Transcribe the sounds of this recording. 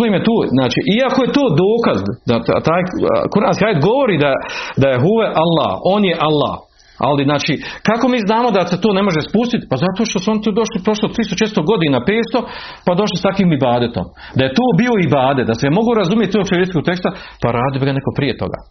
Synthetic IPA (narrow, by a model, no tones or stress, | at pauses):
lemjet̪oːznaːt͡ʃiːʔiakoje̞t̪oːd̪oːkazd̪d̪aa̰t̪aːjkuɾhaːnskiaːjet̪ɡo̞ʋoɾiːd̪ad̪ajeɦuːʋeʔalˠːa̰ːho̞ːnjeʔalːa̰ːh | a̰liznaːt͡ʃiːkako̞miːznaːmo̞d̪aset̪oːnemo̞ʒespust̪it̪i̥pazat̪oːʃt̪o̞suo̞nit̪ud̪oʃlipɾo̞ʃlot̪ɾist̪ot͡ʃet̪ɾst̪oɡo̞d̪iːnaːpeːt̪st̪o̞ | pad̪o̞ʃ̬list̪akʋiːmibaːd̪et̪o̞̰m | d̪aje̞t̪oːbio̞ibaːd̪ed̪asemo̞ɡoːɾazumjet̪t̪okt͡ʃeɾʲeskoɡ̚t̪e̞kst̪apaɾaːd̪ijobiɡane̞kopɾiːe̞t̪o̞̰ɡa̰ː